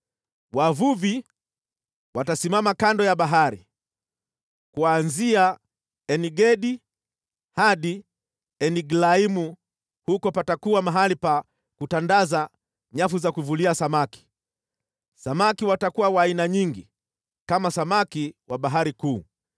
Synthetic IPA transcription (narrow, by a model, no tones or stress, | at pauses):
wavuvi | watasimamakandɔjaɓaɦaɾḭ | kuanzia | ɛniɡɛɗi | haɗi | ɛniɡlaimu | hukɔpatakuamaɦalipa | kutandaza | ɲafuzakuvuliasamaki̥ | samakiwatakuwawaːinaɲiŋɡi | kamasamakiwaɓaɦaɾikuː